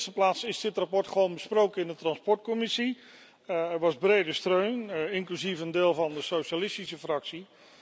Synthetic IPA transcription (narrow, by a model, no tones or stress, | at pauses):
stəplaːsɪsdɪtrapɔɹtχəʋownbəsprowkənɪndətrɑnspɔɹt̚komɪsi | ɛɹʋɑzbrejdəstrøɥnɪŋklyzifəndeːlˠvɑndəsowʃalɪstisəfrɑksi